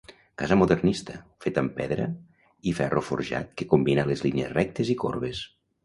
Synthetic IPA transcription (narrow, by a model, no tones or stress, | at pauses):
kazəmuðernist̪əfet̪əmpɛðɾə̰ | ifɛrʔofoɾʒa̰t̪̚kekumbinalezlinezrɛk̚t̪eziko̰ɾβes